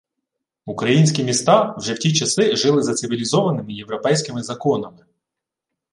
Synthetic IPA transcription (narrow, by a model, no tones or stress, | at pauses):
ukɾɐjinʲsʲkʲimʲist̪ɑwʒɛwtʲit͡ʃɐsɪʒɪlˠɪzɐt̪sɪʋʲilʲizɔʋɐnɪmɪjewʋɾɔpɛjsʲkɪmɪzɐkɔnɐmɪ